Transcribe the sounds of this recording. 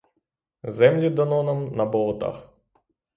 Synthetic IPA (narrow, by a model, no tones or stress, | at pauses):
zɛmlʲid̪ɐnɔnɐmnɐbɔlˠɔt̪ɑ̰x